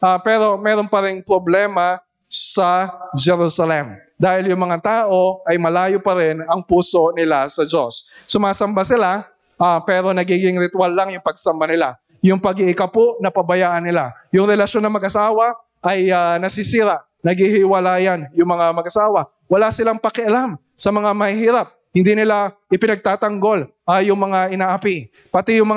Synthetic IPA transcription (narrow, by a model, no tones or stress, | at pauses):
ʔapɛɾo̞mɛːɾo̞npɐɾɪnpɾoblɛːmɐ | sɐd͡ʒɛɾusɐlɛm | d̪aːhɪljʊŋmɐŋat̪aːʔo̞ʔɐjmɐlaːjopɐɾɪnɐŋpuːso̞nɪlasɐd͡ʒosːʊmaːsɐmbasɪla | ʔapɛːɾo̞nɐɡiːɡɪŋɾɪt̪ʊwalːɐŋjʊŋpɐɡ̚sɐmbanɪla̰ | jʊŋpɐɡɪɪkɐpoʔnɐpɐbɐjaːʔɐnːɪla | jʊŋɾɛlɐʃonːɐmɐɡʔɐsaːwɐ | ʔɐjanɐsisiɾaʔ | nɐɡihɪwɐlaːjanjʊŋmɐŋamɐɡʔɐsaːwɐ | wɐlasɪlaŋpɐkɪʔɐlam | sɐmɐŋamɐhihiːɾap̚hɪnd̪inɪlaʔɪpɪnɐɡ̚t̪aːt̪ɐŋɡo̞l | ajʊŋmɐŋaʔɪnaːʔɐpi | pɐt̪ɛjʊŋmɐ